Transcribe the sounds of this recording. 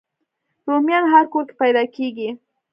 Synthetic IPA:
ɾʊmjanɦaɾkʊɾkɪ̥pajd̪akikɪ

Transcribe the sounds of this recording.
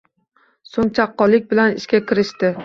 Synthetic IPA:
soŋt͡ʃʰaqːɒlˠːɪk̚ʲbɪlanɪʃkʲakʲɪɾɪʃt̪ɪ

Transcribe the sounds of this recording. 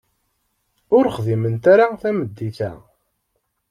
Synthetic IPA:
ʊɾχðimənt̪aɾaθæməd̪ːiθæ̰

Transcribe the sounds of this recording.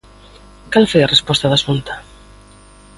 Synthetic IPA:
kalfojɐrespɔst̪aðasunt̪ḁ

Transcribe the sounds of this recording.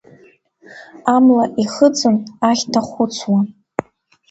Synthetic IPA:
amlaʔiχət͡sʼɨnaχʲtʰaχʷʊt͡sʷʰwa

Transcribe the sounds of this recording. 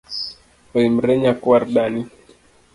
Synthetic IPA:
ɔim̩ɾɛɲakuaɾɗani

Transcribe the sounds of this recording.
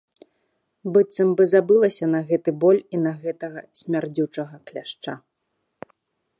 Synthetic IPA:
bɨt̪sɐmbɨzabɨlˠɐsʲɐnɐɣɛt̪ɨbɔlʲinɐɣɛt̪ɐɣɐsʲmʲard͡zʲut͡ʂɐɣɐklʲaʂt͡ʂa

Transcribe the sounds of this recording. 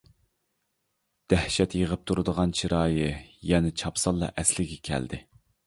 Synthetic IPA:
d̪̥æhʃɛt̪jəʁəp̚t̪ʰuɾɨd̪əʁɑnt͡ʃʰiɾɑːjɨjɛnɪt͡ʃʰɑpsɑlˠːɑ̰ʔɛslɪɡʲɛkʲʰɛ̰ld̪ɪ

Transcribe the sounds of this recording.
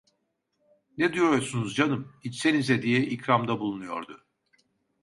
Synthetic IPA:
ned̪ijo̞ɾuɾsunuzd͡ʒanɯmhit͡ʃsenizɛd̪ijɛʔicɾamd̪abulˠunujo̞̰ɾd̪ʊ

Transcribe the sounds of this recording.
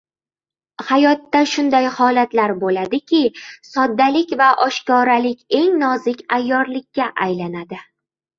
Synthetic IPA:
hajɒt̪ːaʃʊnd̪ajhɒlat̪laɾbolad̪ɪkʲʰɪsɒd̪ːalɪkʲvaʔɒʃkɒɾalɪkʲe̞ŋnɒzɪkʲajːɒɾlɪkʲːaʔajlanad̪ɪ

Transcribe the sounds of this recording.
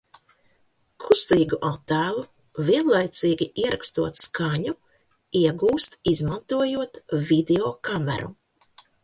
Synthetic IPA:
kʰust̪iːɡuʔat̪ːæːlˠu | viɛnlˠajt̪siːɡʲiiɛɾʔa̰kst̪uɔt̪skʰaɲu | iɛɡuːst̪izmant̪uɔjuɔt̪vid̪eɔkamɛ̰ɾṵ

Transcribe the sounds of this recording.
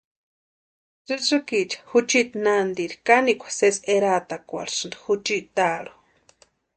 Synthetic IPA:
t͡sɨt͡sɨkit͡ʃḁhut͡ʃit̪nand̪iɾi̥kaniʔkʷḁseseɾat̪akʷa̰ɾsɨnd̪xut͡ʃiʔt̪aɺu̥

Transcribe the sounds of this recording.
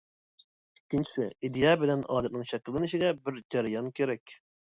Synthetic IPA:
ikʲʰːint͡ʃʰi̥sɪid̪ejɑbɪlɛnɑːd̪ɛt̪nɨŋʃɛkʲːɪlˠːɪniʃid̪ɛbɪɾd͡ʒɑɾɪjɑnkʲʰeɾɛkʲ

